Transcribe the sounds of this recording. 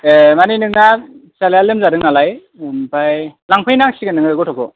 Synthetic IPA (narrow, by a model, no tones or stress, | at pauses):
maninɯŋasalejalɯmzaɾɯŋalaj | mpajlaŋpʰɯjnaŋsiɡɯnɯŋɯɡɔtʰɔkʰɔ